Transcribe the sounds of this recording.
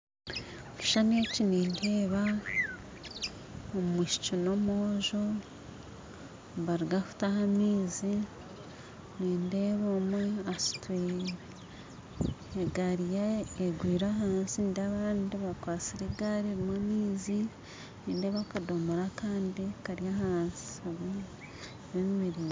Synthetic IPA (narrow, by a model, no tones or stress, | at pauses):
oki̥ʃaneciniːndeːβa | omumwiʃi̥t͡ʃonomoʒo | βaɾuɡaku̥taɦamiːzi | niːndeβomweasu̥ti | eɡaɾijaeɡwiːɾaɦaːnsindaβaːndiβakwaːt͡siɾiɡaɾiɾimwamiːzi | niːndeβakadomuɾakaːndikaɾjahaːnsi̥aβa | βemmiɾi